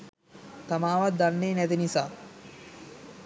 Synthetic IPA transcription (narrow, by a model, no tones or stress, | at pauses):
t̪amaːʋat̪̚d̪anːeːnɛt̪inisaː